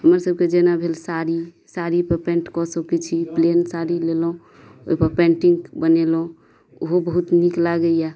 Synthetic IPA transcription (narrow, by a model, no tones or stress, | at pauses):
ɦəməɾsəb̚ked͡ʒenabʱelsaɾi | saɾipəɾpẽɳʈkɔsəkɛt͡ʃʰiplensaɾilelɦũ | o̰ipəɾpɛ̃ɳʈiŋɡbənelũ | oɦobəɦut̪niklaɡeja